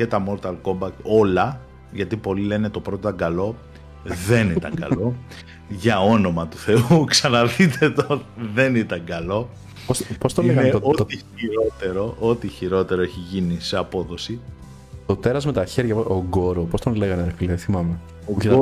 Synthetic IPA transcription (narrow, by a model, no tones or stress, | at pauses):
cet̪ɐmo̞ɾt̪ɐlko̞mbɐko̞lɐ | ʝɐt̪ipo̞lile̞net̪o̞pɾot̪ot̪ɐŋɡɐlo̞ | ðe̞nit̪ɐ̰ŋɡɐ̰lo̞ | ʝɐo̞no̞mɐt̪u̥θe̞uksɐnɐðit̪et̪oot̪ðe̞nit̪ɐŋɡɐlo̞ | pospost̪onleɣɐnot̪t̪i | iɾot̪eɾo̞ʔot̪içiɾo̞t̪e̞ɾoeçiʝiniseɐpo̞ðo̞si | t̪ot̪e̞ɾɐzme̞t̪ɐçe̞ɾʝɐoɡo̞ɾopost̪onle̞ɣɐneɾkliðθimɐme | uçe